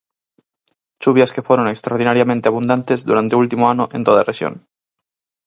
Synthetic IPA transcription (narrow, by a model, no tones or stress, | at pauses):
t͡ʃuβjaskefweɾonekst̪ɾaoɾðinaɾjamẽnt̪eaβund̪ant̪ezðuɾant̪eult̪imoanoʔḛ̃nt̪oðarexjo̰ŋ